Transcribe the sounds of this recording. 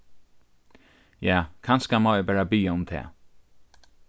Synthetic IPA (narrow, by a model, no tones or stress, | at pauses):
jaːkʰanskamɔːɛbɛːɹabiːaʊmt̪ʰɛ̰ː